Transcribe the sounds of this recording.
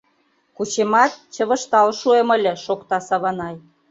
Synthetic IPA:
kut͡ɕemɑt̪̚t͡ɕə̆βə̆ʃt̪ɑlʃuemə̆lʲĕʃokt̪ɑsɑβɑnɑj

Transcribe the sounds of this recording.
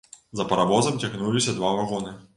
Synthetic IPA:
zɐpɐɾavɔzɐmtʲaɣnulʲisʲɐd̪vavaɣɔnɨ

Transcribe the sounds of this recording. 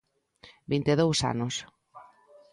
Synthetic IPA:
bint̪eðowsa̰nos

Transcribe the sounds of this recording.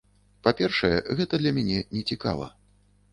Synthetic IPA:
papʲɛrʂɐjɛɣɛt̪ɐd̪lʲɐmʲɛnʲɛnʲɛt͡sʲika̰lˠɐ̰

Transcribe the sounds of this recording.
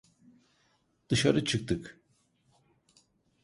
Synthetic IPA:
d̪̥ɯʃaɾɯt͡ʃʰɯk̚t̪ʰɯk

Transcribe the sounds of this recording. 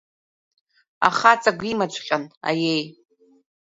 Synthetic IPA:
a̰χat͡sʼaɡʷimad͡ʒʷʼqʲʼana̰jej

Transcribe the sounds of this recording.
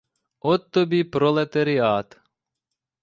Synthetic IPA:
ɔt̪ːɔbʲipɾɔlˠet̪eɾɪɑt̪

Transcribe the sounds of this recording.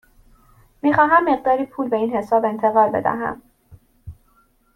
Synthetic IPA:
miːxɒːɦæmːe̞ɣ̚d̪ɒːɾiːpʰuːlbe̞iːnhe̞sɒːbe̞nt̪ʰe̞ɣɒːlbe̞̰d̪æ̰ɦæ̰m

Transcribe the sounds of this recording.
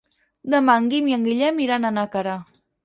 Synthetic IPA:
d̪amaŋɡimjaŋɡiʎamiɾananakaɾa

